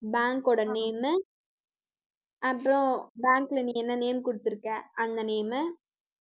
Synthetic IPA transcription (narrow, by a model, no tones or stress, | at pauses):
baːŋkɔɽɐneːm | ɐpːɾõbaːŋklɐniːɛnːɐneːmkʊɽɯt̪ːɯɾɯkːɛ̃ːʔɐnd̪ɐneːmɯ